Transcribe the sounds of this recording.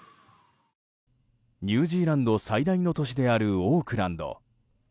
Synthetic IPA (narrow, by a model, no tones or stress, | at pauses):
ɲʲɨːʑiːɾãnd̪o̞said̪aino̞t̪o̞ɕid̪e̞aɾɯ̟oːkɯ̟ɾãnd̪o̞̰